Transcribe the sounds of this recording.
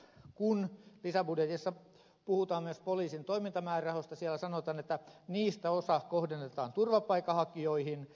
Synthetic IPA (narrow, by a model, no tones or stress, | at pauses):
kunlisæbudjet̪isːɑ | puhut̪ɑːmmyøspoliːsint̪oimint̪ɑmæːrɑhost̪ɑsiælːˑæsɑnot̪ɑːnet̪ːæniːst̪æosɑkohdenːet̪ɑ̰ːnt̪urʋɑpːɑikːˑɑhɑkioihin